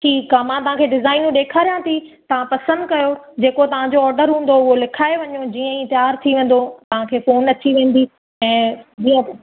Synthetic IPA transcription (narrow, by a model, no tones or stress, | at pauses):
ʈʰiːkːamãːt̪ɐɦãkʰeːɖɪzaːɪnjũɗeːkʰaːɾijãt̪ʰit̪ɐʋ̤ãpɐsə̃nd̪kɐjo | d͡ʑeːkot̪ɐʋ̤ãd͡ʑoɔːɾɖəɾɦũːn̆d̪oʊɦolɪkʰaːeʋɐɲod͡ʑiːə̃ĩːt̪jaːɾt̪ʰiʋẽːn̆d̪ot̪ɐʋ̤ãkʰeːfoːnɐt͡ɕiʋẽːn̆d̪i | ɛ̃ːd͡ʑiːə̃